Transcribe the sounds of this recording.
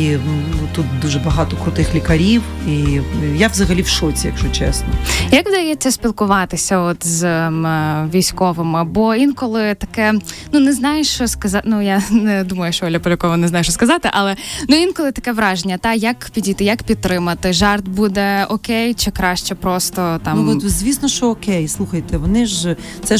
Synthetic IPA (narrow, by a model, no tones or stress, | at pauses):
iut̪ut̪̚d̪uʒɛbɐɦɑt̪ɔkʊt̪ɪxlʲikɐɾʲiw | ijawzɐɦɐlʲiwʃɔt͡sʲijɐ̰kʒʊt͡ʃɛ̰snɔjɐkʋd̪ɐjɛt͡sʲːɐsʲpʲilˠkʊʋɑt̪ɪsʲɐɔt̪z | ʋʲijsʲkɔʋɪmɪbɔinkɔlˠɪt̪ɐ̥kɛnunɛznɑjʊʃt͡ʃɔskɐzɑnujanɛd̪umɐjʊʃt͡ʃɔɔlʲɐpɔlʲɐkɔʋɔnɛznɑjʊʃt͡ʃɔskɐzɑt̪ɪʔɐlˠɛnuinkɔlˠɪt̪ɐ̥kɛʋɾɑʒenʲːɐt̪ɑjɐkpʲidʲijt̪ɪjɐkpʲid̪̚t̪ːɾɪmɐt̪ɪʒɑrt̪̚bud̪ɛɔkɛjt͡ʃɪkɾɑʃt͡ʃɛpɾɔst̪ɔt̪ɑmnmzʲʋʲisnɔʃt͡ʃɔːkɛjslˠuxɐjt̪ɛʋɔnɪʒ | t̪sɛ